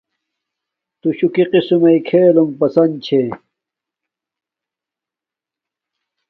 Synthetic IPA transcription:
t̪uɕukiqisumɐikʰeːlumpɐsɐn̚t͡ɕʰe

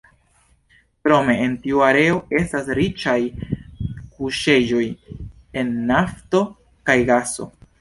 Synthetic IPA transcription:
pɾo̞me̞entiuaɾe̞o̞e̞stasɾit͡ʃaj | kuʃe̞d͡ʒo̞j | e̞nːafto̞ | kajɡaso̞̰

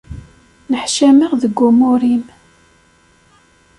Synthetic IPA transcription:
nəħʃæməʁðəɡːumʊɾim

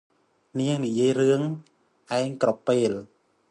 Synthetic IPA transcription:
niəŋnijiəjrɨəŋ | ʔaɛŋkropeːl

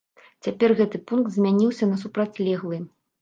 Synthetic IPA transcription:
t͡sʲapʲɛrɣɛt̪ɨpunk̚t̪zʲmʲanʲiwsʲɐnɐsupɾat͡sʲlʲɛɣlˠɨ

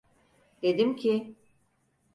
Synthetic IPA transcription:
d̪̥e̞d̪imcʰi

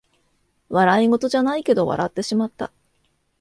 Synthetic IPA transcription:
βaɾaiŋo̞t̪o̞ʑanaike̞d̪o̞βa̰ɾʔa̰t̪ːe̞ɕimat̪ːa̰

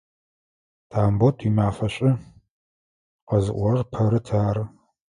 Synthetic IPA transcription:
tʰaːmbotʰimaːfɐɕʼɪ | qɐzɨʔʷɔɾɨrpʰɐɾɨtʰaːɾ

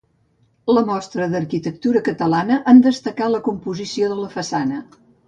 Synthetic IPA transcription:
ləmɔst̪ɾəðərkit̪ək̚t̪uɾəkət̪əlanəʔand̪əst̪əkaləkumpuzisioðələfəsanə

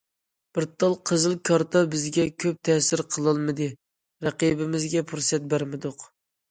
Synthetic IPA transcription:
b̥ɪɾt̪ːɑlˠqʰəzɨlˠkʰɑɾt̪ʰɑbɪzɡʲɛkʲʰøp̚t̪ʰɛsɪɾqʰəlˠɨlˠmɨd̪ɨ | ɾæqibɪmɪzɡʲɛpʰuɾsɛt̪̚bæɾmɪd̪ʊq

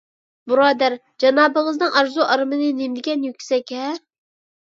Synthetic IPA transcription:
buɾɑːd̪æɾ | d͡ʒɑnɑːbəʁəznɨŋɑɾzuʔɑɾmɨnɨnemd̪ɪkʲɛnjykʲsɛkʲʰɛ

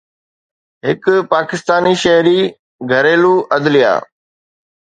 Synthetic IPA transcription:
ɦɪkpaːkɪst̪aːniʃɐɦɾiː | ɡʱɐɾeːluːʔɐd̪lɪja̰ː

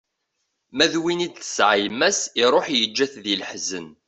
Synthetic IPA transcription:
mæðwinid̪θə̥sʕajmæsiɾˤoħjəd͡ʒːæθðiləħzən

